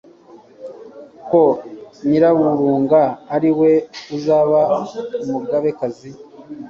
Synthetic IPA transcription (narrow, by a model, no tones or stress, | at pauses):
koɲiɾawuɾuːŋɡaːɾiwe̞uzaːβamuɡaβe̞kazi